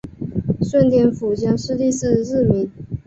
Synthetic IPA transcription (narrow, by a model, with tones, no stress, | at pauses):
ʂwə˥˧nt̪jɛ˥˩nfu˨˩ɕjɑ˥ŋʂɻ̩˥˧t̪i˥˧sɹ̩˥˧ɻ̩˥˩mi˧˥n